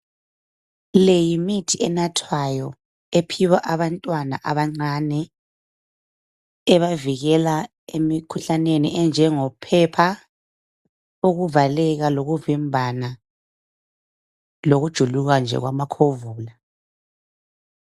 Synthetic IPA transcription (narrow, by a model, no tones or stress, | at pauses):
lejimitʰiɛnatʰwajɔ | epʰiwaʔaβantʼwana̰ʔaβaŋ͡ǀanɛ | ɛβaviɣɛla | emikʰuɬanenḭʔɛnd͡ʒʱɛŋɔpʰɛpʰa | uɣuvalɛɣaloɣuvimbʱana | loɣud̥ʒ̥ʱuluɣand͡ʒʱɛ̰ɣwa̰makʰovuːla